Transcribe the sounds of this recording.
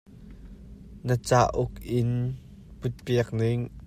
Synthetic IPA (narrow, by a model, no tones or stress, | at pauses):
nət͡saːʔʊkɪn | put̪̚piɐk̚nɪŋ